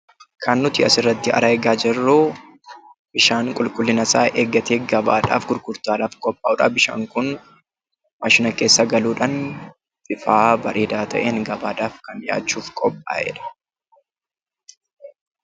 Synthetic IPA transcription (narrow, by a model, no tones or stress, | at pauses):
kʰɐnːʊt̪ɪɐsɪrːɐt̪ːɪɐ̰ɾaɛɡaːd͡ʒɛrːoː | bɪʃaːŋkʼʊlkʼʊlːɪnɐsaːʔeːɡːɐt̪eːɡɐba̰ːᶑa̰ːfɡʊlkʊɾt̪aːᶑaːfkʼɔpʼːaːʊːᶑabɪʃa̰ːŋkʊn | mɐʃɪnɐke̞ːsːɐɡɐluːᶑɐn | fʼɪfaːbɐɾʔeːd̪aːt̪ʰɐ̰ʔeːnɡɐbaːᶑaːfkɐnja̰ːt͡ʃːuːfkʼɔpʼːa̰ːʔɛ̰ᶑɐ̥